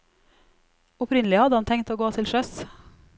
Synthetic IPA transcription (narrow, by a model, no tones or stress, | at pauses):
ʊpʰɾɪnəlɪhɑd̪əhɑnt̪ʰɛŋt̪oːɡoːt̪ʰɪlʃœs